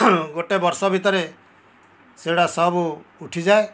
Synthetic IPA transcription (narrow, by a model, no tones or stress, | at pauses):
ɡoʈebɔɾsɔbʱit̪ɔɾe | seɽasɔbuuʈʰid͡ʒae